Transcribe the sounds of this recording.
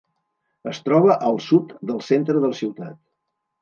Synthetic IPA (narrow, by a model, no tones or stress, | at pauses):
əst̪ɾɔβ̞əʔəlˠsut̪d̪əlˠsent̪ɾəðələsiwt̪at̪